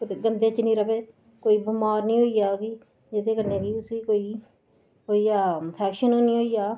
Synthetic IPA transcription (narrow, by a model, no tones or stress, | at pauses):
kt̪eɡənd̪eːt͡ʃənĩːɾəbeː | koːiːbʊmaːɾnĩːɦoːiːjaːki | d͡ʒɪt̪ʰeːkəɾneːɡiːʊsiːkoːiː | ɦoːiːaːpʰɛːkʃənoːnĩːɦoːiːjaː